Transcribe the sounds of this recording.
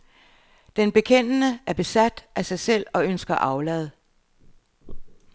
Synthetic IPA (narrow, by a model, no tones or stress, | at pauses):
d̥enb̥e̝kʰen̰ənəæɐb̥e̝sæd̥ʔæsɑ̈ɪsel̰ɒ̽ønsɡ̥ɐʔɑ̈ʊlɛːð̩ˠ